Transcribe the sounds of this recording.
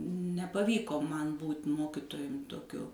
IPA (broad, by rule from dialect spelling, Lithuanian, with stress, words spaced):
nʲɛpɐˈʋʲiːkoː ˈmɐn ˈbuːtʲ ˈmoːkʲɪtoːjʊm toːˈkʲʊ